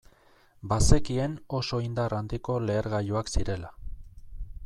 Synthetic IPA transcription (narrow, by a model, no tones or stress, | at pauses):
base̞kie̞no̞so̞ind̪arand̪iko̞le̞ːɾɣajoaksiɾe̞la